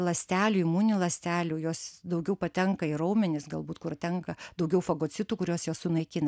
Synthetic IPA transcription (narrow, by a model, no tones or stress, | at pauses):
lˠɐsʲt̪ʲæːlʲuːɪmuːnʲɪlˠɐsʲt̪ʲæːlʲuːjoːsd̪ɐʊɡʲɛʊpɐt̪ʲɛŋkɐɪɾoʊmʲɪnʲɪsɡɐlˠbuːt̪kʊɾt̪ʲɛŋkɐd̪ɐʊɡʲɛʊfɐɡoːt͡ssʲɪt̪uːkʊɾʲoːsjoːssʊnɐɪkʲɪnɐ